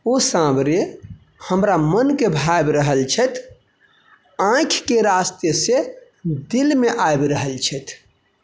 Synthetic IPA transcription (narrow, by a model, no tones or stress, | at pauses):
osãbɾe | həmɾamənkebʱajbɾəɦəlt͡ʃʰɛt̪ʰ | ãkʰkeɾast̪jəse | d̪ilmeʔajbɾəɦəlt͡ʃʰɛt̪ʰ